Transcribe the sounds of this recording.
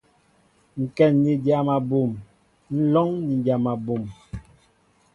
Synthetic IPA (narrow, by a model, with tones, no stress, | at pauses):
ŋ̩˨kɛ˨nːi˨dja˨ma˨bo˨m | n̩˦lɔ˦ŋni˨dja˨ma˨bo˨m